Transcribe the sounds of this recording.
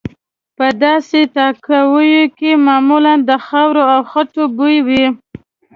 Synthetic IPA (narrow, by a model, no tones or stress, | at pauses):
pəd̪ɑsetɑkawəjokemɑmuland̪əxawɾoawxaʈobujwi